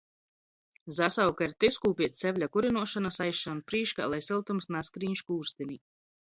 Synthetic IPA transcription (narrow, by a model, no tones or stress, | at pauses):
zasawkaɾt̪ewskuːpʲiɛt̪ʲsɛvʲlʲakuɾinuɔʃanasajʃanpɾiːʃka̰lˠajsilˠt̪umsnaskɾiːɲʃkuːɾst̪eni